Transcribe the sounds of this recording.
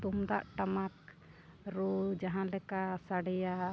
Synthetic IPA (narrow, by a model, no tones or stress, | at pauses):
t̪umd̪aʔʈamak̚ | ɾud͡ʒaɦãlɛkasaɽɛja